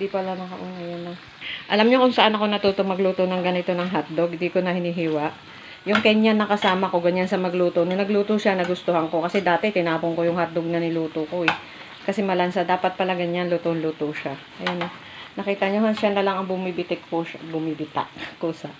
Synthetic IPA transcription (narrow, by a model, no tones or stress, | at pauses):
d̪ipɐlanɐkɐʔʊnajanɐ | ʔɐlamɲokʊŋsɐʔanɐko̞nɐt̪uːt̪omɐɡluːt̪o̞nɐŋɡɐnɪt̪o̞nɐŋɦat̪̚d̪oɡ̚ɪnd̪iːkonɐhɪniɦiːwɐʔ | jʊŋkɐjɲanːɐkɐsaːmɐko̞ɡɐɲansɐmɐɡluːt̪onɐnɐɡluːt̪oʃanɐɡʊst̪ohɐŋko̞kɐsɛd̪aːt̪ɛt̪ɪnaːpoŋko̞jʊŋhɐt̪̚d̪oɡ̚nɐnɪluːt̪oko̞ʔɛ | kɐsɛmɐlɐnsad̪aːpɐt̪̚pɐlaɡɐɲanluːt̪onluːt̪oʃaʔɐjanɐ | nɐkiːt̪ɐɲoɦɐnʃanɐlaŋɐŋbʊmibɪt̪ɪkkoʃabʊmibɪt̪a̰ʔkosɐ